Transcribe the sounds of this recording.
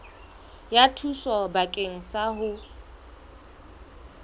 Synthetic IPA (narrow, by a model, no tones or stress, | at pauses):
jatʰuswɔbakʼeŋ̩saɦʊ